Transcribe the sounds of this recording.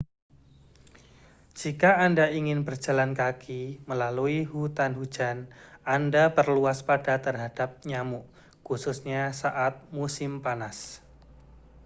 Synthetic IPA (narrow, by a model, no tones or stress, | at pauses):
d͡ʒ̥ikaːndaiŋɪnbərd͡ʒ̥a̤lankakʰiməlaluiɦut̪anhu̥d͡ʒanandapərluaspad̥at̪ərɦad̥ap̚ɲamuʔ | kusʊsɲasaʔat̪̚musɪmpanas